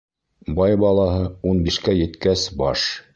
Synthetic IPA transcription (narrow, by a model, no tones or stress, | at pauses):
bɑjbɑlˠɑɦɤunbiʃkæjɘ̆t̪kæsbɑʃ